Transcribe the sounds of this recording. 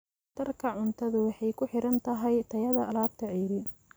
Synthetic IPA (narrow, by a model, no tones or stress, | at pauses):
t̪ʰɐrkʰɐʕʊnt̪ʰɐðʊwɑħɑjkʰʊħɪɾɐnt̪ʰɐɦɛjt̪ʰɐjɐðɐːlaːb̚t̪ʰɐʕiːɾɪ